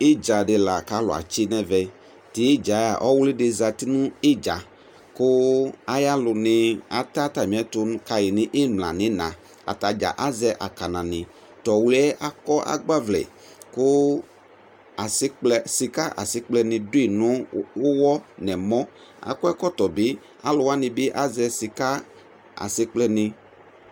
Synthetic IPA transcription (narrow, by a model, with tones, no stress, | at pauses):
e˦d͡ʒa˨ɖɪ˨la˨ka˦lʊ̰˨a̰˨t͡ʃɪ˦nɛ̃˦vɛ˨ | t̪ɪ˨˦e˦d͡ʒa˨˦ja˨ʔɔ˦wlɪ˦ɖɪ˨za˨t̪i˦nũ˦ɪ˦d͡ʒa˨ | kʊ˦a˦ja˦lʊ˨nɪ̃˨a˨t̪a˦t̪a˨mĩ˨˦ɛ˦t̪ʊ˦ñ˦ka˨jɪ˨nɪ̃˦ʔɪ˦m˨l̃ã̰˨nɪ̃˦nã˨ | a̰˨t̪a˨d͡ʒa̰˨ʔa˦zɛ˦ʔa̰˨ka˨nã˨nɪ̃˨ | t̪ɔ˨wlɛ˦ʔa˨kɔ˦ʔa̰˨ɡ͡ba˦vlɛ̰˨ | kʊ˦ | a˨sɪ˦k͡plɛ˨sɪ˨ka˦ʔa̰˨sɪ˦k͡plɛ˦nɪ̃˨dʊ˦i˨nʊ̃˦wʊ˦wɔ˦nɛ˨mɔ̃˦ | a̰˨kʊ˦ɛ˦kɔ˦t̪ɔ˨bɪ˦ | a̰˦lʊ˨wa˦nɪ̃˨bɪ˦ʔa˦zɛ˧sɪ˨ka˦ | a̰˨sɪ˦k͡plɛ˦nɪ̃˧